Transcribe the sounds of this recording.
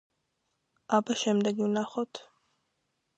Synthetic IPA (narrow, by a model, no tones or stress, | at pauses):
abaʃɛmd̪ɛɡivnaχɔt̪ʰ